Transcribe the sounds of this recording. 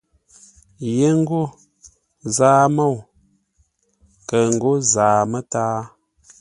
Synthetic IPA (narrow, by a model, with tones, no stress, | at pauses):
je˦ŋ̩˦ɡo˦˨ | zaː˦mo˦˨w | kə˨ŋ̩˨ɡo˦zaː˨mə˦taː˦